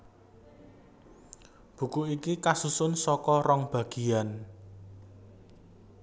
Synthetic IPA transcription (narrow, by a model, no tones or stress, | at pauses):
b̥ṳkuikikasusʊnsɔkɔrɔŋb̥a̤ɡ̥i̤an